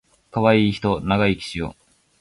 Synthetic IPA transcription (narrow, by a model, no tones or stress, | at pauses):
kaβaiːçi̥t̪o̞naɡaikʲi̥ɕio̰